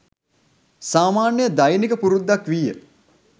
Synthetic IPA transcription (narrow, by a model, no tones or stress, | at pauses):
saːmaːnjəd̪ajnikəpuɾud̪ːakʋijə